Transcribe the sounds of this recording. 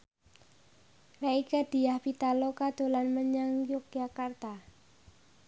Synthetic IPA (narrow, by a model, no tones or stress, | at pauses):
raikad̥i̤jahpit̪alokad̪̥o̤lanməɲaŋjʊk̚ʒakart̪a